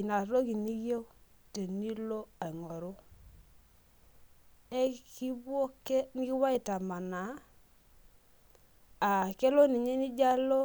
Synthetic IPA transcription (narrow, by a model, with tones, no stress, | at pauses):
i˨na˨ɾo˦ki˨ni˦jo˦ | te˨ni˦lo˦a˨i˨ŋɔ˨ɾu˦ | e˦ki˦bo˦ke˦ni˦ki˦wa˦i˨ta˨ma˨na˨˦˨ | ke˦lo˦ni˨ɲe˦ni˦d͡ʒa˦lo˦